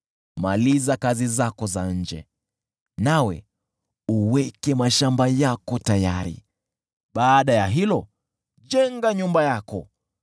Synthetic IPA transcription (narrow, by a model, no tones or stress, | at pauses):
malizakazizakɔzaɲ̩d͡ʒɛ̰ | nawɛ̰ | uwɛkɛmaʃambajakɔtaja̰ɾḭ | ɓaːɗajaɦilɔ | ʄɛŋɡaɲumbajakɔ